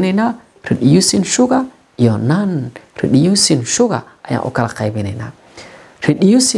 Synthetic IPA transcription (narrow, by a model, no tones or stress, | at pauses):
nena | ɾiɗijusinʃuɡa | ijonanɾḭɗijusinʃuɡa̰ | aja̰ʔṵkala̰kabinena̰ | ɾiɗijusi